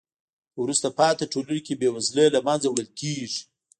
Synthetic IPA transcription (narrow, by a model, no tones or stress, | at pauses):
wɾust̪apɑt̪aʈolənkʲebewazləlamanzawɽəlkʲeʐi̥